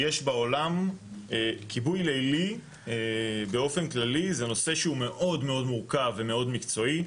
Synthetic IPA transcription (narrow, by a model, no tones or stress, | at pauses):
jeʃbao̞lamekʰibujlejli | be̞o̞fe̞nklalizeno̞se̞ʃeume̞ʔo̞dme̞o̞dmuʁkavːe̞me̞o̞dmikt͡so̞i